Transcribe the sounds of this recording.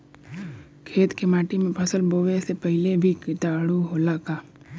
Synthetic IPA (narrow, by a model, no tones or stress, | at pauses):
kʰeːt̪kemaːʈimẽpʰəsəlboːʋesepəɦɪlebʱikɪt̪aːɽuɦoːlaːkaː